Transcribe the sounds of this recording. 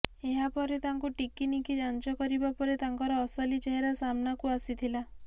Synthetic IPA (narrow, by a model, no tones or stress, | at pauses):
eɦapɔɾet̪aŋkuʈikinikid͡ʒant͡ʃɔkɔɾibapɔɾet̪aŋkɔɾɔːsɔlit͡ʃeɦeɾasamnakuasit̪ʰila